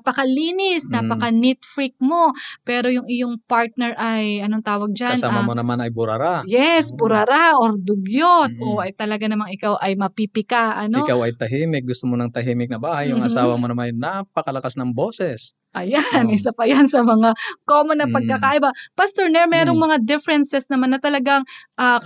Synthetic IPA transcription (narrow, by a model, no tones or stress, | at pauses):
apɐkɐliːnɪsnapɐkɐnit̪fɾɪk̚mo̞pɛːɾo̞jʊŋɪjoŋpaɹt̪̚nɛɾʔɐjʔɐnoŋt̪aːwɐɡ̚d͡ʒansaːmamonɐmanɐjbʊɾɐɾajɛsbʊɾɐɾaʔoɾd̪ʊɡjot̪̚ʔo̞ʔɐjt̪ɐlɐɡanɐmaŋɪkawʔɐjmɐpipɪkaʔɐnoɪkawɐjt̪ɐɦiːmɪk̚ɡʊst̪omonɐŋt̪ɐɦiːmɪk̚nɐbaːhɐjːʊŋɐsaːwɐmonɐmanɐjnapɐkɐlɐkasnɐŋbo̞ːsɛs | ʔɐjanʔɪsapɐjansɐmɐŋakoːmonɐpɐɡ̚kɐkaːʔɪbɐpɐst̪oɹnɛɹmɛːɾo̞ŋmɐŋad̪ɪfɛɾɛnsɛsnɐmanːɐt̪ɐlɐɡaŋʔɐː